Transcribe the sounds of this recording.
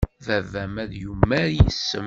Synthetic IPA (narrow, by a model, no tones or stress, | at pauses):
ðævæmæðjumːæɾjisːə̰m